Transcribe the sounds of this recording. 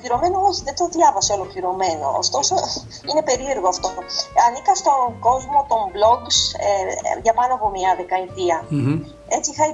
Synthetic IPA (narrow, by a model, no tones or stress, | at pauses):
liɾo̞me̞nooçiðet̪oðʝɐvɐseo̞lo̞kliɾo̞me̞no̞̰ːst̪o̞so̞ | inepe̞ɾie̞ɾɣoɐft̪o̞ɐnikɐst̪o̞ɡo̞zmo̞t̪o̞mblo̞ɡs | ʝɐpɐnoɐpomɲɐðe̞kɐit̪iɐ | e̞t͡siixɐi